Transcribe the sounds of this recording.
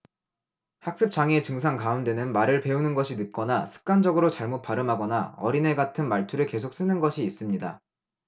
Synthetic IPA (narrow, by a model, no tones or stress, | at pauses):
hak̚s͈ɯp̚t͡ɕ͈aŋe̞t͡ɕɯŋsʰaŋkaɯndwe̞nɯnmaɾɯɭpe̞unɯnɡʌɕʰinɯt̚k͈ʌnasʰɯ̥k̚k͈and͡ʑʌɡɯɾot͡ɕaɭmot̚p͈aɾɯmɦaɡʌnaʌɾine̞ɡatʰɯnmaɭtʰuɾɯɭke̞sʰok̚s͈ɯnɯnɡʌɕʰiːs͈ɯmɲida̰